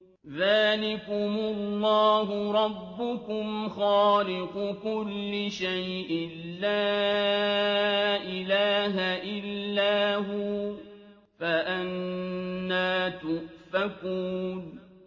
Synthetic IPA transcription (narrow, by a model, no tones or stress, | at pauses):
ðaːlɪkʊmʊlːɑːɦʊɾˤɑbːʊkʊmxaːlɪqʊkʊlːɪʃajʔɪ | laː | ʔɪlaːɦaʔɪlːaːɦuː | faʔanː | aːt̪ʊʔfakuːn